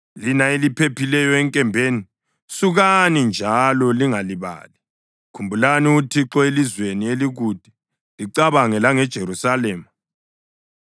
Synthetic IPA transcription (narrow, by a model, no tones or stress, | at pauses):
linaelipʰepʰilɛjɔɛŋkʼɛmbʱeni | suɣanind͡ʒʱalɔliŋaliβa̰ːli | kʰumbʱulaniutʰiǁɔelizwenieliɣud̥ʱi | liǀaβaŋɛlaŋɛd̥ʒ̥ʱeɾusalɛːma